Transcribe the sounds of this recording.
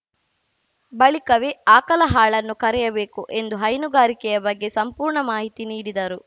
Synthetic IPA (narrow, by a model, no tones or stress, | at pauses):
bɐɭikɐʋeːaːkɐlɐɦaːɭɐnːukɐɾɛjɐbeːkuʔe̞nd̪uɦɐjnuɡaːɾikɛjɐbɐɡːe̞sɐmpuːɾɳɐmaːɦit̪iniːɽid̪ɐɾu